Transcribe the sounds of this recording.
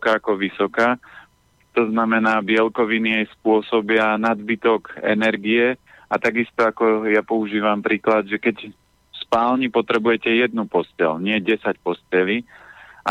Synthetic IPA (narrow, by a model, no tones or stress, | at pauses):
kaakɔʋisɔkaː | t̪ɔznamɛnaːbɪɛlkɔʋiniɛjspʊɔsɔbɪanad̪bit̪ɔkɛ̰nɛɾɡiɛ | at̪aɡist̪ɔakɔjapɔuʒiːʋampɾiːklad̪ʒɛkɛc | spaːlɲipɔt̪ɾɛbujɛcɛjɛd̪nupɔscɛ̰lɲɪɛɟɛsacpɔscɛliːʔa̰